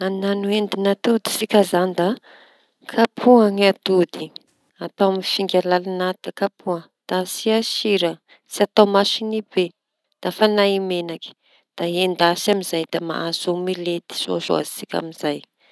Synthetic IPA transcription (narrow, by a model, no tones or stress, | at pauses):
annanuend̪inat̪ud̪i̥sikʲazand̪a | kʰapʰuaŋat̪ud̪i | at̪awaminfiŋɡʲalalanad̪̥akapuə | d̪̥asiaʃiɾə | siat̪awmaʃinibe | d̪̥afanaimenaki̥ | d̪̥aend̪asamizajd̪̥ama̰ʔasomilet̪i̥z̥o̰ʃo̰a̰zisikʲa̰miz̥aj